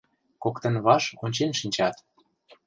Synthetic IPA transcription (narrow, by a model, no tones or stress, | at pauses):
kokt̪ə̆nβɑʃonʲt͡ɕenʃinʲt͡ɕɑt̪